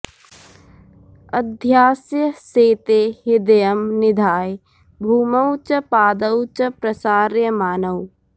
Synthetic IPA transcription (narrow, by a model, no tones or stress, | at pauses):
ɐd̪ʱjaːsjɐseːt̪eːɦɪd̪ɐjɐmnɪd̪ʱaːj | bʱuːmɐwt͡ʃɐpaːd̪ɐwt͡ʃɐpɾɐsaːɾjɐmaːnɐw